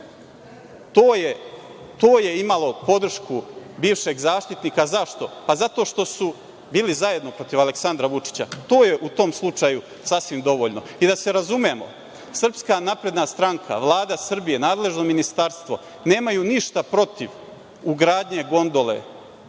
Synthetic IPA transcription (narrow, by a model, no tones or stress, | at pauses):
t̪oːje | t̪oːje̞imalˠo̞po̞d̪r̩ʃkubiːʋʃe̞ɡzaːʃt̪it̪niːkazaʃt̪o̞pazat̪o̞ʃt̪o̞su | biːlizaje̞d̪no̞pɾo̞t̪iʋale̞ksand̪ɾaʋut͡ʂi̥t͡ɕa̰t̪o̞ːjeʔut̪o̞mslˠut͡ʂaju | sasʋimd̪o̞ʋo̞ʎno̞id̪ase̞ɾazume̞mo̞̰ | sr̩pskanapɾe̞d̪nast̪ɾaŋkʰa̰ʋlˠaːd̪asr̩bije̞naːd̪le̞ʒno̞minist̪aɾst̪ʋo̞ | ne̞ːmajuniʃt̪apɾo̞t̪iʋ | uɡɾaːd̪ɲe̞ɡo̞nd̪o̞le̞̰